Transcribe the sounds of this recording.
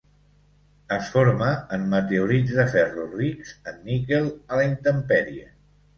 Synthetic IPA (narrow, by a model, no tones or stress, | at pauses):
əsfoɾməːmːət̪euɾizðəfɛrurikz̥ənːikelˠələint̪əmpɛɾiə̰